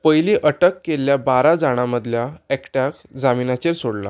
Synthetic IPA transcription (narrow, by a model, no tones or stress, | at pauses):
pəjlĩːʔəʈəkːeljabaɾad͡zaɽ̃aməd̪ʱljaɛkʈak | d͡zaminat͡ɕeɾsoɽla̰